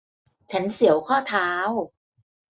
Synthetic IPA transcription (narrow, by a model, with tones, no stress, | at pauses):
t͡ɕʰa˦˥nsi˩˦əwkʰɔː˥˩t̪ʰaː˦˥w